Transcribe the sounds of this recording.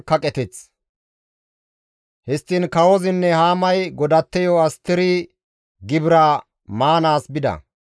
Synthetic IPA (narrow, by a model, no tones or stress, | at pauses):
kɐkʼɛt̪ɛt͡s | hɪst̪ːinkɐwɔzɪnːɛhaːmɐjɡɔd̪ɐt̪ːɛjɔɐst̪ːɪɾi | ɡɪbɪɾa | maːnaːsbɪd̪ɐ̰